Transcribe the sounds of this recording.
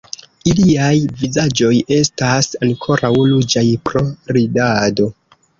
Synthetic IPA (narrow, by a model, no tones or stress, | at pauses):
iliajvizad͡ʒo̞je̞stasaŋkʰo̞ɾʔawlud͡ʒajpɾo̞ɾidado̞